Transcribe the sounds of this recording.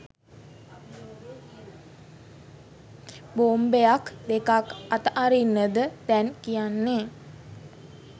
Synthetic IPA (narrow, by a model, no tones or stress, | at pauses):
boːmbeakd̪ekakat̪əʔaɾinːəd̪əd̪̥ɛnkijanːe